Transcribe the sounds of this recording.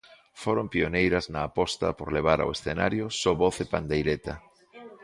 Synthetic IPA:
foɾompionejɾɐznɐːpɔst̪ɐ̰poɾleβ̞aɾa̰wesθena̰ɾjosoβoθepa̰nd̪ejɾet̪a

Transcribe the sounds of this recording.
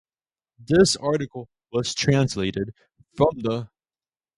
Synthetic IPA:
ðɪsɑɹɾɨkl̩ˠ | wʌz̥tʰɹ̥æ̃nsleɪɾɨd̥̚ | fɹʌ̃mðə

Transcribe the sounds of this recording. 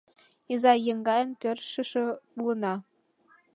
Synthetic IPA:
izɑjɤ̆ŋɡɑjɤ̆npʲɘ̆rʃɘ̆ʂɘ̆pulˠɤ̆nɑ

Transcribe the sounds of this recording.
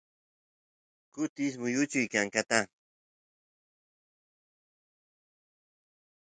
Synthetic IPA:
kʊt̪ɪs̬mʊjʊt͡ʃʊjkaŋkat̪a

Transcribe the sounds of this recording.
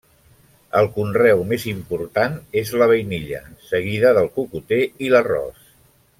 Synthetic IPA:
əlˠkunrɛwmezimpuɾt̪anezləβəjniʎə̰səɣ̞iðəðəlˠkukut̪eilərɔ̰s

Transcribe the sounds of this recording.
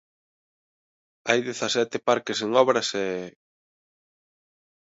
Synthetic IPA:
ajðeθɐsɛt̪ɪpaɾkeseŋɔβɾɐsɛ

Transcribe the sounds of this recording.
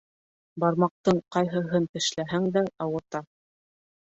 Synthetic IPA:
bɑɾmɑq̚t̪ɤɴqɑjɦɤ̆ɦɤnt̪ɘ̆ʃlæɦæŋd̪æɑwɤ̆ɾt̪ɑ

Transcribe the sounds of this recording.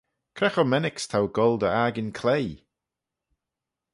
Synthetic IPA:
kʰɾɛxɔmɛnɪkst̪ʰawɡɔlˠd̪əaːɡɪnkʰlej

